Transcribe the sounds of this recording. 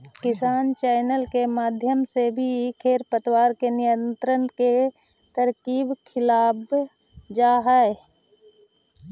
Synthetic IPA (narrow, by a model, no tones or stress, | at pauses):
kɪsaːnt͡ʃɛːɪnəlkemaːd̪ʱjəmsebʱikʰeːɾpət̪waːɾkenɪjə̃nt̪ɾənke | t̪əɾkiːbkʰɪlaːb | d͡ʒaɦɛe